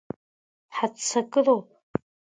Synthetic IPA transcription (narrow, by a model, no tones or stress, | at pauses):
ħat͡sʰɐkʼɨroː